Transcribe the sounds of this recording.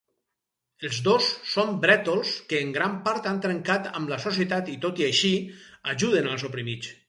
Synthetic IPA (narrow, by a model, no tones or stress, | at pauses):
əlˠzdosːombɾɛt̪olˠskəːŋɡɾampaɾt̪ant̪ɾəŋkat̪a̰mlasos̬iət̪at̪it̪ot̪iaʃiaʒuðənalˠzopɾimit͡s